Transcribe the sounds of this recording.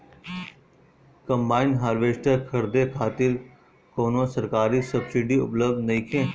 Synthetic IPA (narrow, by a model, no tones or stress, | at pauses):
kə̃mbaːɪnɖɦaːɾʋeːʃʈəkʰɐɾd̪ekʰaːt̪ɪɾ | koːnõsɐɾkaːɾisəbsɪɖiʊ̰pləb̚d̪nɐĩkʰẽː